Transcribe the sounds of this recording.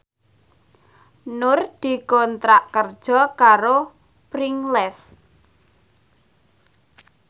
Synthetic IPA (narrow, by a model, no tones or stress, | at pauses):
nʊrd̪̥i̤kɔnt̪ɾaʔkərd̥ʒ̥ɔ̤kaɾo | pɾiŋlɛs